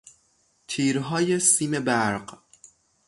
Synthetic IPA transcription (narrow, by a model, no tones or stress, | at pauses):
t̪ʰiːɾɦɒːje̞siːme̞bæɾɢ